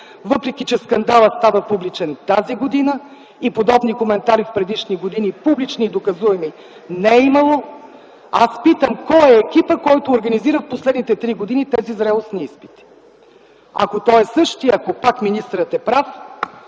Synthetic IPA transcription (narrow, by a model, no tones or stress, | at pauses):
vɤpɾɛk̟ʲit͡ʃɛskɐnd̪alˠət̪st̪avəpublit͡ʃɛnt̪aziɡod̪inə | ipod̪ɔbnikomɛnt̪aɾifpɾɛd̪iʃniɡod̪inipublit͡ʃnid̪okɐzuɛmi | nɛimɐlˠo | aspit̪əmkɔɛːkʲipəkɔjt̪oːɾɡɐniziɾəfposlɛd̪nit̪ɛt̪ɾiɡod̪init̪ɛzizɾɛlˠosniispi̥t̪i̥ | ɐ̰kot̪ɔɛsɤʃt̪iɐkopakminist̪ɾət̪ɛpɾaf